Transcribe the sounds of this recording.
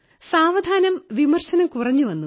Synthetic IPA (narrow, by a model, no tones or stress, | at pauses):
saːʋɐd̪ʱaːnɐmʋimɐrɕɐnɐmkurɐɲːuʋɐnːu